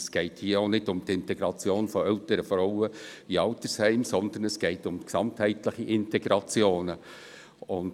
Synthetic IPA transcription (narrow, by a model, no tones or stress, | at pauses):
sɡ̥ɛɪthiːəonɪdʊmtɪntɛɡɾɑt͡sjoːnfɔœltəɾəfɾɔwəiɑlt̪əɾshɛɪmsɔndən̩ɛsɡ̥ɛɪtʊmksɑnthɛɪtləχiʔɪntɛɡ̥ɾɑt͡sjoːnə | ʊnd